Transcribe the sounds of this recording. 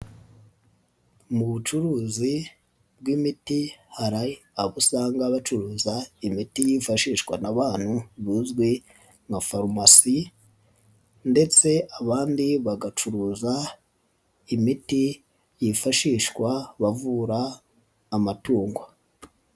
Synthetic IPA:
muβut͡ʃuɾuːzi | bɡwimitihaɾaaβusaːŋɡaβat͡ʃuɾuːzaimitijifaʃiːʃkwa̰naβaːn̥huβiːzɡwe | ŋafaɾmasi | nde̞t͡se̞aβaːndiβaɡat͡ʃuɾuːza | imiti | jifaʃiːʃkwaβavuɾaː | matuːŋɡwa

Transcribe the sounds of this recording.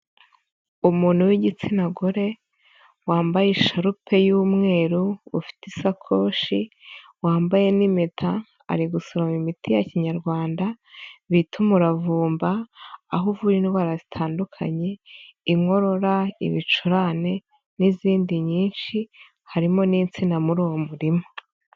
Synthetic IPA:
umuːn̥huwiɟit͡sinaɡoɾe̞ | waːmbajeʃaɾupʰe̞juːmŋe̞ːɾuufi̥tisakʰoːʃi | waːmbaje̞nimetʰa̰ː | ɾiɡusoɾamimitʰijaciɲaɾɡwaːnda | βitʰumuɾavuːmbaːɦuvuɾiniβaɾazitʰaːndukʰa̰ɲe̞iŋo̞ɾo̞ɾaḭβit͡ʃuɾaːne̞ | niziːndiɲiːnʃi | haɾimo̞niːnt͡sinamuɾuːwomuɾimo

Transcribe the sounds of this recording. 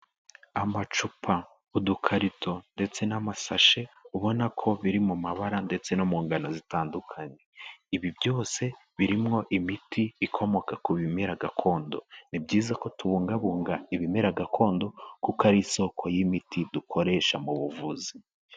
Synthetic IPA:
amat͡ʃupʰa | udukʰaɾitʰo̞nde̞t͡se̞namasaʃe̞uβo̞nakʰo̞βiɾimumaβaɾande̞t͡se̞nomuːŋɡano̞zitaːndukʰaɲe̞iβibjo̞ːse̞βiɾimŋo̞ʔimitiikʰo̞mo̞kakuβime̞ɾaɡakʰo̞ːndo̞nib̚ɟiːzako̞tuβuːŋɡaβuːŋɡaiβime̞ɾaɡakʰo̞ːndo̞kukaɾiso̞kʰo̞jimitʰidukʰo̞ɾe̞ʃamuβuvuzi

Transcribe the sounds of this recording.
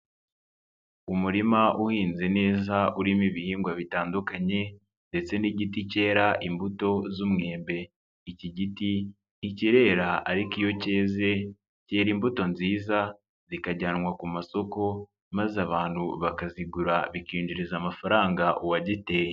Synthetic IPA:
umuɾimaʔuhiːnze̞ne̞ːzauɾimiβihiːŋɡwaβitaːndukaɲe̞ | nde̞t͡se̞niːɟitice̞ːɾaʔimbuto̞zumŋe̞ːmbe̞ | iciɟiti | iciɾe̞ːɾaaɾikijo̞ce̞ːze̞ | ce̞ːɾimbuto̞nziːza | zikaɟanŋwakumaso̞ko̞ | mazaβaːn̥huβakaziɡuɾaβikiːnd͡ʒuɾizamafaɾaːŋɡaʔuwaɟite̞je

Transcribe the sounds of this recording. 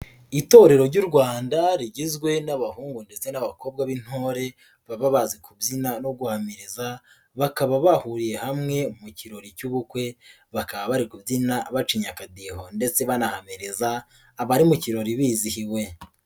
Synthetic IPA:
ito̞ɾe̞ɾo̞ɾɟuɾɡwaːndaɾiɟizɡwe̞naβahuːŋɡunde̞t͡se̞naβako̞b̚ɡaβin̥ho̞ːɾe̞ | βaβaβazikʰubzinano̞ɡuhamiɾeza | βakaβaβahuɾije̞hamŋe̞muciɾo̞ɾicuβukwe̞ | βakaβaβaɾikubzinaβat͡ʃiɲakadiho̞nde̞t͡se̞βanahameɾezaː | βaɾimuciɾo̞ɾiβiːzihiwe̞

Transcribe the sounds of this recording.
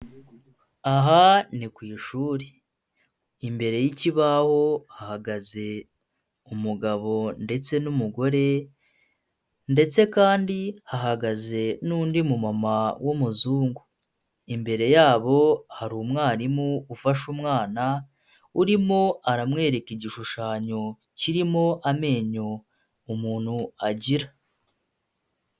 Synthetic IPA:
aɦanikwiːʃuːɾe | imbe̞ɾe̞jiciβaho̞hahaɡaze̞ | umuɡaβo̞nde̞t͡se̞numuɡo̞ɾe̞ | nde̞t͡se̞kaːndihaɦaɡaze̞nuːndimumamawʔomuzuːŋɡu | imbe̞ɾe̞jaːβo̞haɾuːmŋaːɾimuufaʃumŋaːna | uɾimo̞aɾamŋe̞ːɾe̞kiɟiʃuʃaːɲo̞ | ciɾimo̞ʔame̞ːɲo̞ː | muːn̥huaɟiɾa

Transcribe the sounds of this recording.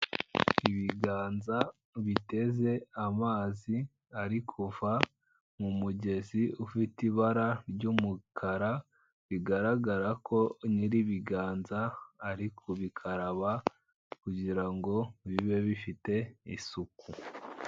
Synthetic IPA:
iβiɡaːnza | βite̞ze̞amaːzi | aɾikʰuva | mumuɟe̞ziufitiβaɾaɾɟumukʰaɾa | βiɡaɾaɡaɾakʰo̞niɾiβiɡaːnzaːɾikʰoβikʰaɾaβa | kuɟiɾaŋɡo̞βiβe̞βifite̞ḭsuku

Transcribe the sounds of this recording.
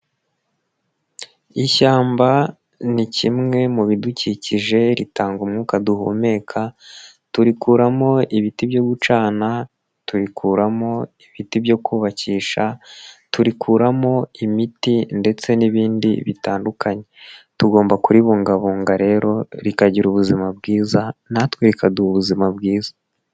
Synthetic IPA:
içaːmba | nicimŋe̞muβiduciciʒe̞ɾitaːŋɡumŋuːkaduhṵme̞ːkʰa | tuɾikuːɾamo̞iβitibjo̞ːɡut͡ʃaːna | tuɾikʰuːɾamo̞iβitibjo̞kʰuːβaciːʃatuɾikʰuːɾamo̞imitinde̞t͡se̞niβiːndḭβitaːndukʰaɲe̞tuɡo̞ːmbakuɾiβuːŋɡaβuːŋɡaɾe̞ːɾo̞ɾikaɟiɾuβuzimabɡiːzanatweɾikaduhuβuzimab̚ɡiːza

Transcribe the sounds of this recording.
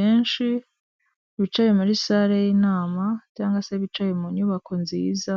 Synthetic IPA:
eːnʃi | βit͡ʃajemuɾisaɾejiːnaːmacaːŋɡwase̞βit͡ʃajemuɲuːβakʰo̞nziːza

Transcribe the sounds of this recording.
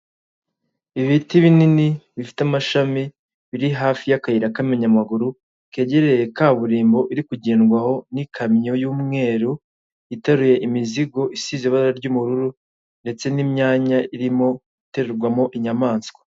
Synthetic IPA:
iβitiβininiβifi̥tamaʃami | βiɾiɦaːfijakajiɾakammeɲamaɡuɾu | ke̞ːɟeɾejekaβuɾiːmbo̞ʔiɾikuɟeːnɡwaho̞nikʰamɲo̞juːmŋe̞ːɾu | itaɾuje̞ʔimiziɡo̞ʔisizeβaaɾaɾɟumuɾuɾu | nde̞t͡se̞nimɲaːɲaʔiɾimo̞ | ite̞ɾeɾɡwamo̞ʔiɲamaːnskwḁ

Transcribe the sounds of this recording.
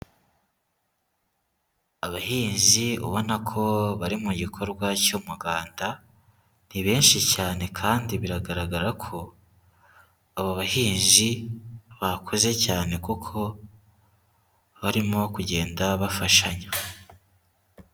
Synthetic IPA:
aβahiːɲʒiṵβo̞nakʰo̞βaɾimuɟikʰo̞ɾɡwacomuɡaːnda | n̥iβe̞ːnʃicaːne̞kʰaːndiβiɾaɡaɾaɡaɾakʰo̞ | aβoβahiːnʒiβakʰoze̞caːne̞kukʰo̞ | βaɾimo̞kuɟe̞ːndaβafaʃaɲa

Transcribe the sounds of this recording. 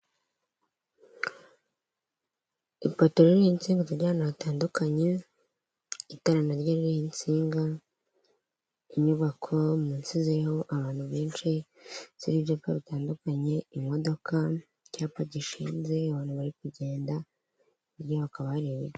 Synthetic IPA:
ipotoɾiɾijint͡siːŋɡaziɾɟaːanaataːndukaɲe | itaɾanaɾɟoɾiɾijint͡siːŋɡa | iɲuβakʰo̞munsizejhoʔaβaːn̥huβeːnt͡ʃi | z̥iɾiβjapa̰βitaːndukaɲe̞imo̞do̞ka | caːpaɟiʃinze̞aβaːn̥huβaɾikuɟe̞ːnda | iɾjaaβakaβaɾije

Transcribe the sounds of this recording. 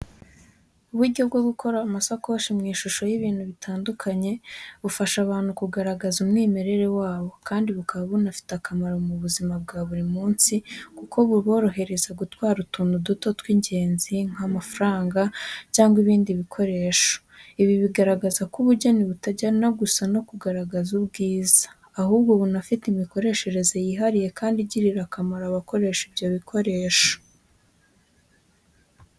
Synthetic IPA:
uβuɾɟo̞bɡo̞ɡukʰo̞ɾamasako̞ːʃimŋiːʃuʃo̞jiβiːn̥huβitʰaːndukʰaɲe̞βufaʃaβaːnhukuɡaɾaɡazumŋiːmeɾe̞ɾe̞waːβo̞kaːndiβukʰaβaβonafi̥takamaɾomuβuzimab̚ɡaːβuɾimuːnsikuko̞βuβo̞ːɾo̞ɦe̞ɾe̞zaɡutwaːɾutuːnuduto̞twiɲɟe̞ːnziŋ̥hamafuɾaːŋɡacaːŋɡwiβiːndiβikʰo̞ɾe̞ːʃo̥iβiβiɡaɾaɡazakuβuɾɟoniβutaɟaɾnaɡusano̞kuɡaɾaɡazubɡiːzḁː | huːbɡo̞βunafitimiko̞ɾe̞ʃe̞ɾe̞ze̞jiɦaɾije̞kaːndiɟiɾiɾakamaɾaβako̞ɾe̞ːʃibɟoβikʰo̞ɾe̞ːʃo̥

